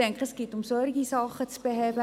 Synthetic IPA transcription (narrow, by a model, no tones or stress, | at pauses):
ɛŋkəɛsɡ̥ɪːtʊmsɔɾɡisɑχət͡sb̥əɦɛːbə